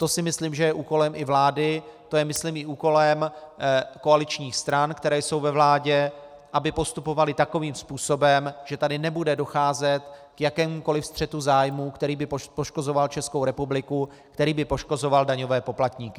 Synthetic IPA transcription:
t̪o̞sɪmɪsliːmʒɛjɛʔuːko̞lɛmʔɪvlaːdɪt̪ojɛmɪsliːmɪuːko̞lɛm | ko̞alɪt͡ʃɲiːxst̪ɾankt̪ɛɾɛːjso̞wvɛvlaːɟɛ | ʔabɪpo̞st̪upo̞valɪt̪ako̞viːmspuːso̞bɛmʒ̥ɛt̪adɪnɛbudɛdo̞xaːzɛt̪kjakɛːmuko̞lɪfst̪r̥ɛt̪uzaːjmuːkt̪ɛɾiːbɪpopo̞ʃko̞zo̞valt͡ʃɛskowɾɛpublɪku | kt̪ɛɾiːbɪpo̞ʃko̞zovaldaɲo̞vɛːpo̞plat̪ɲiːkɪ

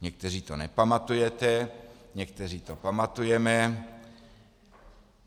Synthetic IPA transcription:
ɲɛk̚t̪ɛr̝iːt̪onɛpamat̪ujɛt̪ɛɲɛk̚t̪ɛr̝iːt̪opamat̪ujɛmɛ

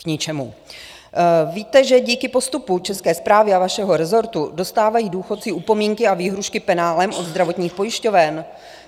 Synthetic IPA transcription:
kɲɪt͡ʃɛmu | viːt̪ɛʒɛɟiːkɪpo̞st̪uput͡ʃɛskɛːspɾaːvɪavaʃɛɦo̞ɾɛzo̞ɾt̪udo̞st̪aːvajiːduːxo̞t̪t͡sɪʔupo̞miːŋkɪaviːɦɾuʃkɪpɛnaːlɛmʔo̞d̪zd̪ɾavo̞t̪ɲiːxpo̞jɪʃco̞vɛn

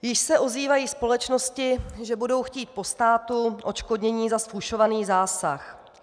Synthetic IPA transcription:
jɪʃsɛʔoziːvajiːspo̞lɛt͡ʃno̞scɪʒɛbudo̞wxciːt̪̚po̞st̪aːt̪uʔo̞t͡ʃkodɲɛɲiːzasfuʃo̞vaniːzaːsax

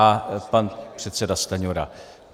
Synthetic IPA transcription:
apanpr̥ɛt̪sɛdast̪aɲoɾa̰

